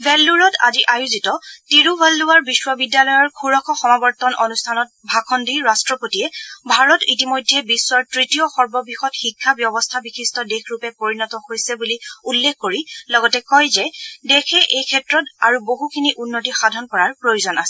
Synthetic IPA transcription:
bɛlːuɹɔta̰ziʔajuzitɔtiɹubʱalːʊwaɹbiswɔbidjalɔjɔɹkʰuɹɔkʰɔxɔmabɔɹtɔnʔonustʰanɔt̚bʱakʰɔndiɹastɹɔpotijɛbʱaɹɔtitimojdʱːɛbisːwaɹtɹitijɔxɔɹbɔbixɔtxikʰːabjɔbɔstʰabixʰistʰɔdexʰɹupɛpoɹinɔtɔhojsɛbuliulːekʰːoɹilɔɡɔtɛkɔjzɛdexʰɛʔejkʰɛtɹɔtaɹuboɦukʰiniʔunːotixadʱɔnkɔɹaɹpɹojuzɔnasɛ

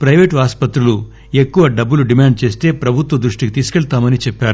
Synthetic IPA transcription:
pɾɐjʋeːʈaːspɐt̪ɾulu | e̞kːuʋɐɖɐbːuluɖimaːɳɖ̚t͡ʃe̞ːst̪e̞ːpɾɐbʱut̪ʋɐd̪ɾuʂʈikit̪iːsu̥kɛɭt̪aːmɐnit͡ʃeɛpːaːɾu

